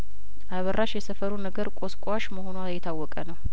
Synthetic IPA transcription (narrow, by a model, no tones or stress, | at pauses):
ʔaβərʔaʃjɛsəfəɾunəɡəɾkʼoskʼwaʃməhonuajɛt̪ʰawːɔkʼənəw